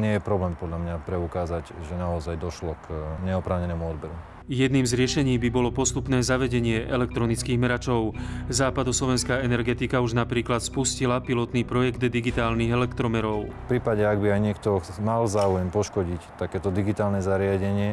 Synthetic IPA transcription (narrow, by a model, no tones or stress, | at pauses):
ɲɪɛjɛpɾɔblɛːmpɔd̪ʎamɲapɾɛukaːzaɟʒɛnaɔzajd̪ɔʃlɔkɲɛɔpɾaːʊɲɛnɛːmuɔd̪bɛɾu | jɛd̪niːmzɾɪɛʃɛɲiːbibɔlɔpɔst̪upnɛːzaʋɛɟɛɲɪɛʔɛlɛk̚t̪ɾɔnit͡skiːɣmɛɾat͡ʃɔʊzaːpad̪ɔslɔʋɛnskaːɛnɛɾɡɛt̪ikauʒnapɾiːklat̪spuscilapilɔt̪niːpɾɔjɛɡd̪d̪iɡit̪aːlniːɣɛlɛkt̪ɾɔmɛɾɔʊfpɾiːpaɟɛaɡbiajɲɪɛkt̪ɔmalzaːujɛmpɔʃkɔɟict̪akɛːt̪ɔd̪iɡit̪aːlnɛzaɾɪaɟɛɲɪɛ